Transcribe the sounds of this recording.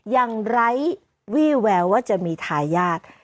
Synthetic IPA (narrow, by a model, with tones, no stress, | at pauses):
jaː˨˩ŋɾa˦˥j | wiː˥˩wɛː˧wwaː˥˩t͡ɕa˨˩miː˧t̪ʰaː˧jaː˥˩t̪̚